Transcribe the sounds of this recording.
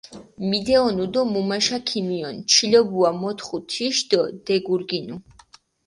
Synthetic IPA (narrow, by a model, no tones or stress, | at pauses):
mid̪ɛɔnud̪ɔmumaʃakʰimiɔnt͡ʃʰilɔbuamɔt̪ʰχut̪ʰiʃd̪ɔd̪̥ɛɡuɾɡinu